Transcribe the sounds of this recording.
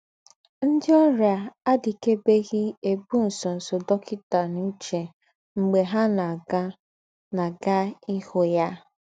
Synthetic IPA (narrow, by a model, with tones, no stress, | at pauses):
n̩˦dɪ˦ɔ˦ɾja˨a˦di˨ke˦be˦ɣi˦e˨bu˦n̩˨sɔ˨n̩˨so˨dɔ˦kʰɪ˦ta˨nu˦t͡ʃe˨ | ŋ͡m̩˨ɡ͡be˨ɦa˦na˨ɡa˦ | na˨ɡa˦i˦ho˦ja˦